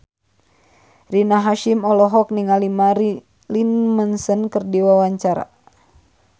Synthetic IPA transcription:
rinaɦaʃimɔlɔɦɔk̚niŋalimaɾ | linmənsənkərdiwawaɲt͡ʃaɾa̰

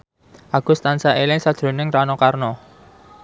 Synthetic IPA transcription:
ʔaɡ̥ʊ̤st̪ansaʔelɪŋsad̥ʒ̥ɾo̤nɪŋranɔkarnɔ

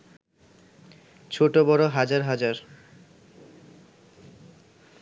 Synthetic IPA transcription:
t͡ɕʰoʈobɔɾoɦad͡ʑaɾɦad͡ʑaɾ

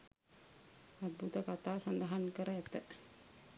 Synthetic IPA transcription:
ɐd̪̚bʱut̪ɐkat̪asɐnd̪aɦɐnkəɾɐɛt̪ːə

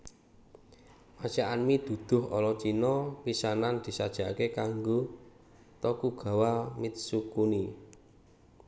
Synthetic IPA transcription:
mḁt͡ʃaʔanmid̪̥ṳd̪̥ʊ̤ɦʔɔ̰lɔt͡ʃinɔwisanand̪̥i̤sad̥ʒ̥a̤kekaŋɡo | t̪ɔkuɡ̥ä̤wamɪt̪̚sukuni

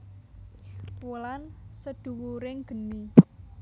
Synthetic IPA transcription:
pulansəd̪̥ṳwuɾɪŋɡ̥ə̤ni

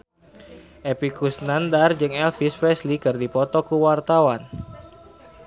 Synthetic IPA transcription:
ʔepikusnandard͡ʒɨŋɛlfispɾɛslikɨrdipɔt̪ɔkuwart̪awan

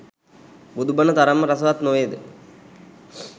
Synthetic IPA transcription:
bud̪ubɐnət̪ɐɾɐmːəɾɐsɐʋat̪noʋjed̪ɨ

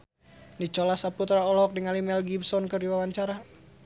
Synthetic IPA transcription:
dit͡ʃɔlasaput̪ɾaɔlɔk̚diŋalimɛlɡibsɔnkɨrdiwawaɲt͡ʃaɾa

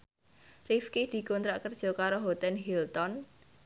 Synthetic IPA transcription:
rifkid̪̥i̤kɔnt̪ɾaʔkərd̥ʒ̥ɔ̤kaɾoɦɔt̪ɛnɦilt̪ɔn

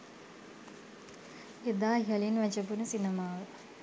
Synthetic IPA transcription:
ed̪aːɦiɐlinʋæt͡ʃəbunəsinəmaːʋə

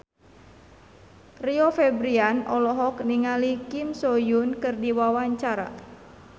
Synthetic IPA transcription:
riɔfɛbɾianɔlɔɦɔk̚niŋalikimsɔjunkɨrdiwawaɲt͡ʃaɾa̰

